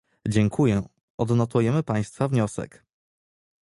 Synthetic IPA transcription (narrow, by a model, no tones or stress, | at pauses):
d͡ʑɛŋkʰujɛ | ʔɔd̪nɔt̪ujɛmɘpaj̃st̪favɲɔsɛ̰k